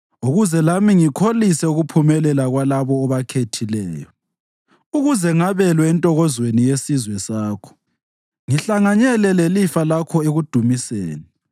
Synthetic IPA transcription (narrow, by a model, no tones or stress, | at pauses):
uɣuzɛlamiŋikʰolisɛuɣupʰumɛlɛlaɣwalaβɔːβakʰetʰilɛːjɔ | uɣuzɛŋaβɛlwɛntʼɔɣɔzwenijesizwɛsaːkʰɔ̥ | ŋiɬaŋaɲɛlɛlelifalakʰɔeɣud̥ʱumiseːni